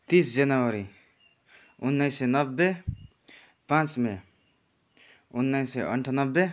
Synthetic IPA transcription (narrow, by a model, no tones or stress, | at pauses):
t̪isd͡ʒʌnʌwʌɾi | unːʌjsenʌbːe | pãt͡sme | unːajseʔʌ̰ɳʈʰanʌbːe